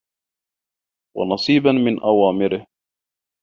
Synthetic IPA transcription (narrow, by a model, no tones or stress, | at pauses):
wɑ̰nɑsˤiːbanmɪnʔawaːmɪɾɪh